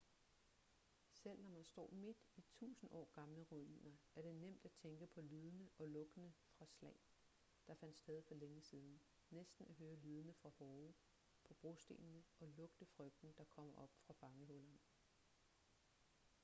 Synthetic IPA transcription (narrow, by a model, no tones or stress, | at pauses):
sel̰nɒmænsd̥ɒ̰ːme̝d̥it͡sʰṵːsn̩ʔɒ̰ːɡ̥ɑ̈mləʁuine̝ŋɐæɐɾ̥e̝nem̰d̥æt͡sʰeŋɡ̥əpʰɒ̽lyːð̞ˠənəʔɒ̽lɔ̽ɡ̥ənəfʁɑ̈slɛɪ̰ | d̥ɑ̈fæn̰d̥sd̥eːð̞ˠfɒ̽leŋəsiːð̞ˠn̩ | nesd̥n̩æɦøːɐlyːð̞ˠənəfʁɑ̈hɒːʊ | pʰɒ̽b̥ʁo̝sd̥e̝̰ːnnəɒ̽lɔ̽ɡ̥d̥əfʁœɡ̥̚d̥n̩d̥ɑ̈kʰɒ̽m̰ɐʔɒ̽b̥fʁɑ̈b̥ɑ̈ŋəɦɔlɐn